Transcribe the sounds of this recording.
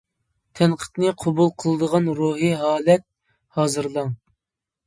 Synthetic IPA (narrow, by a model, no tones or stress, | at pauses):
t̪ʰɛnqʰə̥t̪nɨqʰɑbulˠqʰəlˠɨd̪əʁɑnɾuɦɨɦɑːlɛt̪̚ | hɑːzɨɾlˠɑŋ